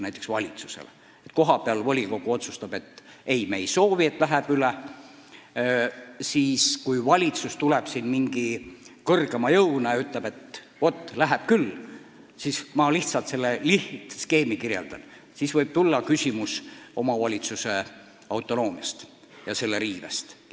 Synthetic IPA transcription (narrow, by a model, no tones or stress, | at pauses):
næjt̪ːˑeksvɑlʲit̪su̥sḛle | et̪ko̞ɦɑpeɑlvolʲiko̞ɡ̥uo̞t̪sust̪ɑb̥e̞t̪ː | e̞jme̞ejso̞ːvie̞t̪ːˑlæɦeb̥yle | siːskujvɑlʲit̪sust̪uleb̥sinmiŋɡ̥ikɤrɡ̥emɑjɤwnɑjɑyt̪lebet̪ | o̞t̪ˑːlæɦeb̥̚kyl | sismɑliht̪sɑlt̪se̞lːeliht̪ske̞ːmikirjḛld̪̥ɑn | sisvɤjb̥̚t̪ulːɑkysʲimuso̞mɑvɑlʲit̪suse | ɑwt̪ˑo̞no̞ːmjɑst̪ | jɑse̞lːeɾiːvḛst̪